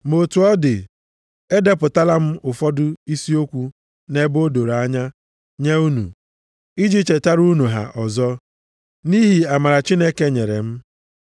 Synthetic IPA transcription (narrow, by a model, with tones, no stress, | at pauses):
mo˨tu˨ɔ˦dɪ˨ | e˦de˦pʊ˨ta˦la˦m̩˦ʔʊ˨fɔ˦dʊ˦i˦si˦o˦kʷu˦ | ne˦bo˦do˨ɾa˦ɲa˦ | ɲe˦u˦nṵ˨ | i˦d͡ʒi˦t͡ʃe˨ta˦ɾu˦nu˨ɦa̰˨ʔɔ˨zɔ˦ | ni˦ɦi˨a˨ma˨ɾa˨t͡ʃi˦ne˦ke˦ɲe˨ɾḛ˨m̩˦